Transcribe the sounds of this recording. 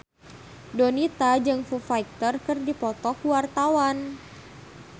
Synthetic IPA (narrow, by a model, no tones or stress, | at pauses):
dɔnit̪ad͡ʒɨŋfufaik̚t̪ərkɨrdipɔt̪ɔkuwart̪awan